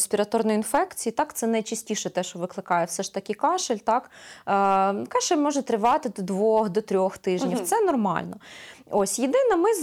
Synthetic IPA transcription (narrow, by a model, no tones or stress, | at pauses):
sʲpʲiɾɐt̪ɔrnɔjʊinfɛkt͡sʲijit̪ɑkt̪sɛnɐjt͡ʃisʲtʲiʃɛt̪ɛʃt͡ʃɔʋɪklˠɪkɑjɛwsɛʃt̪ɐkʲɪkɑʃɪlʲt̪ɑkː | kɑʃelʲmɔʒɛt̪ɾɪʋɑt̪ɪd̪ɔd̪ʋɔxd̪ɔt̪ɾʲɔxt̪ɪʒnʲiwt̪sɛnɔrmɑ̰lʲnɔ | osʲjɪd̪ɪnɐmɪz